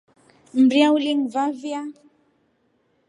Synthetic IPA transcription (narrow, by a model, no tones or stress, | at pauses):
m̩bɾiauliŋvavja